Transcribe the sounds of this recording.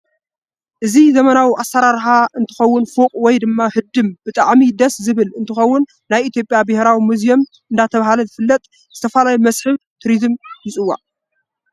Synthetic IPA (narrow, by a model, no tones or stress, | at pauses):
ʔɨzizɐmɐnawiʔasːɐɾaɾħaʔɨnt̪ʰɨ̥xɐwːʊnfuqʼwɔjd̪ɨmːahɨd̪ɨmbɨt̪ʼaʕmid̪ɐszɨβɨlɨnt̪ʰɨxɐwːʊnːajʔit̪ʰjo̞pʼjabɨhɾawimuzijo̞m | ʔɨnd̪at̪ʰɐβahalɐzɨfɨlːɐt̪ʼ | zɨt̪ʰɐfalajimɐsħɨβt̪ʰɾizɨmjɪt͡sʼɨwːa̰